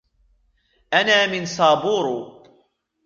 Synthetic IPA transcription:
ʔanaːmɪnsɑːbuːɾ

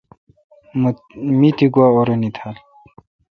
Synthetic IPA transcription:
mit̪iɡuaoɾunit̪ʰal

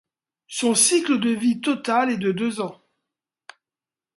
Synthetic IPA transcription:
sɔ̃sikləd̪əvit̪ɔt̪alɛd̪əd̪øzɑ̃

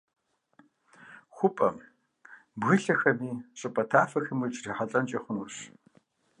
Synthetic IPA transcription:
xʷʊpʼɐ̰ | bɣɨɬɐxɐmiːɕʼɐpʼɐtʰaːfɐxɨmɨt͡ʃʼriħaɬʼɐnt͡ʃʼɐχʷʊnuɕ

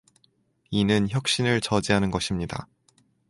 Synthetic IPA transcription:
inɯnçjʌk̚ɕ͈inɯɭt͡ɕʌd͡ʑiɦanɯnɡʌɕʰimɲida̰

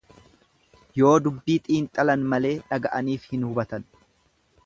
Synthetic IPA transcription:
jo̞ːd̪ʊbːiːt̪ʼiːnt̪ʼɐlɐnmɐle̞ːᶑɐɡɐʔɐniːfhɪnhʊbɐt̪ɐn

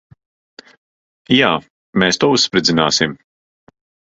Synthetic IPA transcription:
jaː | meːst̪uɔussːpɾɨd̪zʲinaːsim

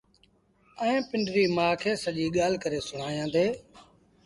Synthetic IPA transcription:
əẽːpɪɳɖɾiːmãːkʰeːsəʄiːɠaːl̤kəɾeːsʊɳ̤aːjãːd̪eː

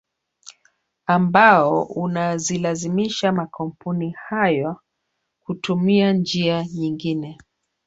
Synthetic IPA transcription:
ambaɔunazilazimiʃamakʰɔm̩punihajɔ | kutumiand͡ʒiaɲiŋɡinɛ

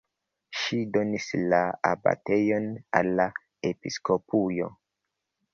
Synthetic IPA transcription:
ʃido̞nislaaba̰te̞jo̞na̰lːa | episko̞pujo̞̰

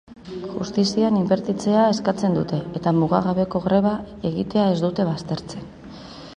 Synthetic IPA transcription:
ʝṵst̪isianimbe̞ɾt̪it͡seae̞skat͡se̞nd̪ut̪e̞ːt̪amuɣa̰ɣaβe̞ko̞ɣɾe̞βae̞ɣit̪e̞ae̞zd̪ut̪e̞βast̪e̞ɾt͡se̞n

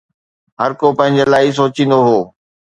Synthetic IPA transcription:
ɦɐɾkopɐ̃ɦɪ̃ɲd͡ʑelaːɪs̬oːt͡ɕĩːn̆d̪oɦoː

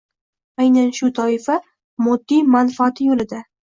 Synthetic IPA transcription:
ajnanʃʊt̪ʰɒɪfa | mʊd̪ːimanfaat̪ʰɪjolɪd̪a

